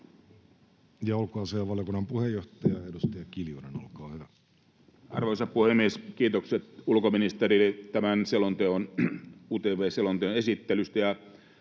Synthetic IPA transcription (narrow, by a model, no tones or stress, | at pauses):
jɑolkoɑseɑʋɑljokunːɑmpuhejːoht̪ɑjɑedust̪ɑjɑkiljuneno̰lkɑːhyʋæ | ʔɑ̰rʋoisɑppuhemːieskiːt̪okset̪ulkominist̪erilet̪æmænselont̪eonuːt̪eːʋeːselont̪eonesit̪ːelyst̪æjɑ